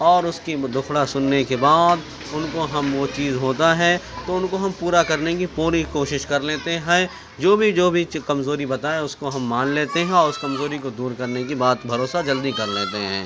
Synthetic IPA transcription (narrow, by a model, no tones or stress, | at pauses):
ɔːɾʊskid̪ʊxʰɽasʊnːekebaːd̪ | ʊnkoɦɐmʋot͡ʃiːzɦoːt̪aɦɛt̪oʊnkoɦɐmpuːɾakɐɾnek̬ipuːɾikoːʃɪʃkɐɾleːt̪eɦɛ̃ | d͡ʒoːbʱid͡ʒoːbʱikɐmzoːɾibɐt̪aːeʊskoɦɐmːaːnleːt̪eɦɛ̃ɔːɾʊskɐmzoːɾikod̪uːɾkɐɾnekibaːt̪bʱɐɾoːsad͡ʒɐld̪ikɐɾlḛːt̪eɦɛ̰̃ː